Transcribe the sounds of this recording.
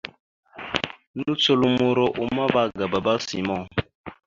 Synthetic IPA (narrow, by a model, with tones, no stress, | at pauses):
nu˦t͡so˦lu˦˨mu˨ɾo˨ʔu˨ma˦ba˦ɡə˨ba˨ba˦si˨mɔ˦ŋ